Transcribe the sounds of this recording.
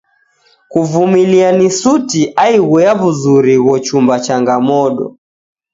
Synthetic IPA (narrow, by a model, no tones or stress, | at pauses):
kuvumilianisutiʔaiɣwɛaβuzuɾiɣɔt͡ʃumbat͡ʃaŋɡamɔɗɔ̰